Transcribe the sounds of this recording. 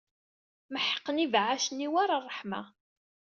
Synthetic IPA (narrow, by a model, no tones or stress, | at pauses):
məħə̥qːənivʕaʃəniwaɾarˤːəħma̰